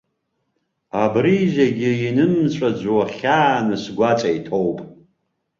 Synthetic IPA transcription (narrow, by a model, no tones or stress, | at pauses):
abɾiʒaɡʲɪinɨmt͡ɕt͡ʃʷʼad͡ʒʷwaχʲaːnɨsɡʷat͡sʼaitʰowpʼ